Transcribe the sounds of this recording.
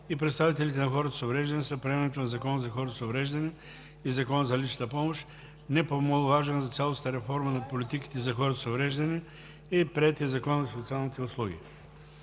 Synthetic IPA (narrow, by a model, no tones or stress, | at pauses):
ipɾɛt̪st̪avit̪ɛlit̪ɛnɐxɔɾət̪ə̥sovɾɛʒd̪ɐnisəpɾɛɛmnɛt̪onɐzɐkɔnzɐxɔɾət̪osovɾɛʒd̪ɐnɛ | izɐkɔnəzɐlit͡ʃnət̪əpɔmoʃ | nɛpomolˠʊvaʒɛnɐzɐt̪sʲalˠost̪əɾɛfɔɾmənɐpolʲit̪iki̥t̪ɛzɐxɔɾət̪sovɾɛʒd̪ɐni | ɛpɾɛt̪iɐzɐkɔnəzɐsot̪sʲialˠnit̪ɛʊslˠuɡ̟ḭ